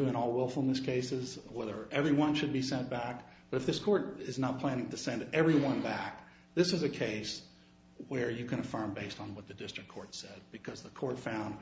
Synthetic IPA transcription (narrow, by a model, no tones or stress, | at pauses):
ɨ̃nɔlˠwɪlˠfl̩ˠnɨskʰeɪsɪzwɛðə˞ʔɛvɹiwʌ̃nʃɨd̚bisɛ̃nb̥æk̚b̥ʌɾɨfðɪskʰɔɹɾɪznət̚pʰl̥æñɪ̃ŋtɨsɛ̃ndɛvɹiwʌ̃nbæk̚ | ðɪsɨzɨkʰeɪs | wə˞jɨkɨ̃ɾ̃ɨfɜ̃˞mbeɪstn̩wʌt̪̚ðɨdɪstɹ̥ɨkʰɔɹtsɛd̚b̥ɨkʰʌzðəkʰɔɹtfãʊ̃nd